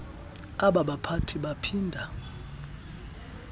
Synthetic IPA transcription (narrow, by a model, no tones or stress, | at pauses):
aɓaɓapʰatʰiɓapʰiːndʱa